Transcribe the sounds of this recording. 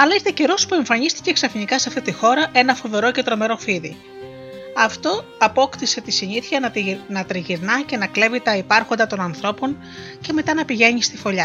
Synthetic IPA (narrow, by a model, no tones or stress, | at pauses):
ɐlɐist̪ece̞ɾo̞spue̞ɱfɐɲist̪i̥ce̞ksɐfinikɐseɐft̪it̪ixo̞ɾɐʔe̞nɐfo̞ve̞ɾo̞ce̞t̪ɾo̞me̞ɾo̞fiðḭ | ɐft̪o̞ɐpo̞kt̪ise̞t̪isiniθiɐnɐt̪ɾiʝiɾnɐce̞nɐkle̞vit̪ɐipɐɾxo̞nd̪ɐt̪o̞nɐnθɾo̞po̞n | ce̞me̞t̪ɐnɐpiʝe̞ɲist̪ifo̞ʎɐ